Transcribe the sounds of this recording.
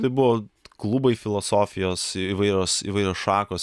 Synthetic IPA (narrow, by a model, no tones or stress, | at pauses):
t̪ɐɪbʊʋoːklˠʊbɐɪfʲɪlˠoːsoːfʲɪjoːsiːʋɐɪɾʲoːsḭʋɐɪɾʲoːsʃɑːkoːs